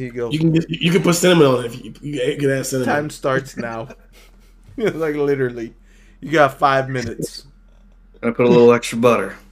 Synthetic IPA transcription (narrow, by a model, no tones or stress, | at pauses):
ɨɡoʊjɨkn̩ɡɪjɨjɨkɨ̃d̚pʊtsɛ̃ñəmə̃nn̩ɨɨfjɨjɨkɨɾæssɛ̃ñɨtʰãɪ̃mstɑɹtsnaʊ | laɪklɪɾə˞l̩ˠi | jɨɡɑfaɪvmɪ̃nɨts | aɪpʰʊɾəlɪɾl̩ˠɛkstɹ̥əbʌɾə˞